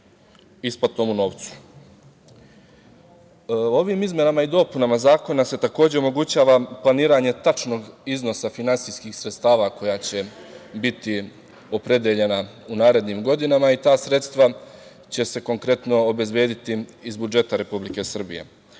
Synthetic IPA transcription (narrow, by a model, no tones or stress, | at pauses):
ispat̪omuno̞ːʋt̪su̥ | o̞ʋiːmizmje̞namaid̪o̞punamazaːko̞nase̞t̪ako̞ːd͡ʑe̞o̞mo̞ɡut͡ɕaːʋaplˠaniːɾaɲe̞t̪at͡ʃno̞ːɡizno̞safinansijskixsɾet̪st̪aːʋako̞jaːt͡ɕe̞bit̪i | o̞pɾe̞d̪jeʎe̞na | unaːɾe̞d̪niːmɡo̞d̪inamait̪aːsɾe̞t̪st̪ʋa | t͡ɕe̞se̞ko̞ŋkɾe̞t̪no̞obe̞zbje̞ːd̪it̪iːzbud͡ʒe̞t̪aɾe̞publike̞sr̩bḭje̞̰